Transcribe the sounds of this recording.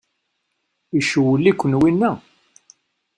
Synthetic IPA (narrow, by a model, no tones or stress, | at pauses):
iʃwəlːikʷːənwinːæ